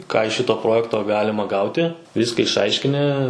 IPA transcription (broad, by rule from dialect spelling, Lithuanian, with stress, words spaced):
ˈkɑː ɪʃ ˈʃʲɪtoː ˈproːjɛktoː ˈɡɑːlʲɪmɐ ˈɡɐʊtʲɪ ˈʋʲiːskɐ ɪʃˈɐɪʃʲkʲɪnʲɪ